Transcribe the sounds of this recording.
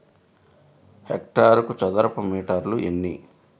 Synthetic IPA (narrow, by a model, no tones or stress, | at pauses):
hek̚ʈaːɾɐkut͡ʃɐd̪ɐɾɐpɐmiːʈɐɾluʔenːi